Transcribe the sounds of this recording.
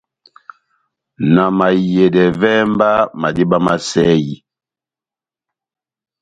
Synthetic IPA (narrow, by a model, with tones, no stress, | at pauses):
na˨ma˨je˨dɛ˨vɛ˦mba˦ma˨di˦ba˦ma˦sɛ˦ji˦